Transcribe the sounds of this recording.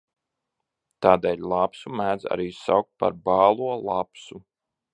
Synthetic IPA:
t̪aːd̪eːlʲlˠapsumæːd̪za̰ɾiːsawk̚t̪̚pa̰ɾbɑːlˠuɔlˠapsu

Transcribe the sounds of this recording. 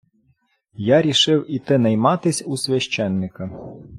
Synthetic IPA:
jaɾʲiʃɪwit̪ɪnɐjmɑt̪ɪsʲusʲʋʲɐʃt͡ʃɛnːɪkɐ

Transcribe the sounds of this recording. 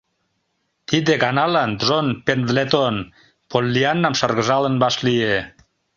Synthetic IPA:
t̪id̪eɣɑnɑlɑnd̪ʒonpend̪let̪on | polːiɑnːɑmʃɑrɣəʒɑlənbɑʃlie

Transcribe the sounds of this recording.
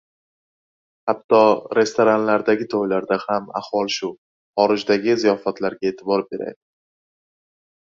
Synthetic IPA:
hat̪ʰːɒɾe̞st̪oɾanlaɾd̪aɡʲɪt̪ʰɒjlaɾd̪ahama̰hwɒlˠʃʊ | χɒɾɪd͡ʒd̪aɡʲɪzijɒfat̪ʰlaɾɡʲaet̪ʰɪbɒɾbe̞ɾa̰jd̪ɪ

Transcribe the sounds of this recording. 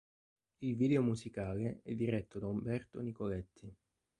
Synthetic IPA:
ilviːd̪eomuzikaːleɛd̪ːiɾɛt̪ːod̪aumbɛrt̪onikolɛt̪ːi

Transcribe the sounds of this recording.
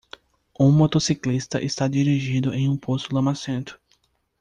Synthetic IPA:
ũmot̪osiklist̪ɐ̰ʔɪst̪ad̪iɾiʒĩd̪ʊʔẽj̃ũposʊlɐ̃masẽnt̪ʊ̥

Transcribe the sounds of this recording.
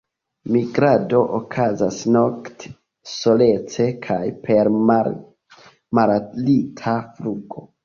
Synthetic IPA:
miɡɾado̞ʔokʰazasno̞kt | so̞le̞t͡se̞kʰajpʰe̞ɾ | malalitʰafluɡo̞

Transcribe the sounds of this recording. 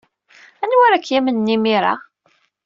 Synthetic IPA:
ænwæɾækːjæmənːimiɾˤa̰

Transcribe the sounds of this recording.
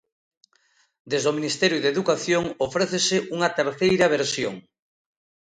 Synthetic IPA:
d̪ezðominist̪ɛɾjuðeðukaθjoŋofɾeθesɪʔuŋɐt̪eɾθejɾɐβ̞eɾsjo̰ŋ

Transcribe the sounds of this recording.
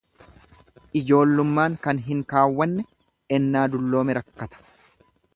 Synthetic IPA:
ʔɪd͡ʒo̞ːlːʊmːaːŋkɐnɦɪŋkaːwːɐnːɛ | ɛnːaːd̪ʊlːo̞ːmɛɾɐkːɐt̪ɐ̥

